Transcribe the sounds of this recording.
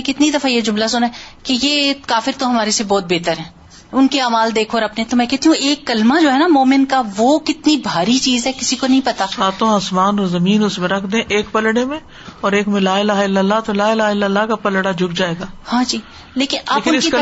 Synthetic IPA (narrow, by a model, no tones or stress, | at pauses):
mɛ̃kɪt̪nid̪ɐfajed͡ʒʊmlasʊnaɦɛːkejeːkaːfɪɾt̪oɦɐmaːɾesebɔːt̪̚beːt̪əɾɦɛ̃ː | ʊnkeaːmaːld̪eːkʰoːɾɐpnet̪omɛ̃kɛɦt̪iɦũʔeːkːɐlmad͡ʒoːɦɛnamoːmɪnkaʋokɪt̪nibʱaːɾit͡ʃiːzɦɛkɪsikonɐɦĩpɐt̪asaːt̪õaːsmaːnɔːɾzɐmiːnʊsmẽɾɐkʰd̪ẽʔeːkpɐlɽemẽ | ɔːɾeːkmẽlaːɪlaːɦɪlːəlːat̪olaːɪlaːɦɪlːəlːakapɐlɽad͡ʒʱʊk̚d͡ʒaːeːɡaːhãːd͡ʒiː | leːkɪnalːkɪɪki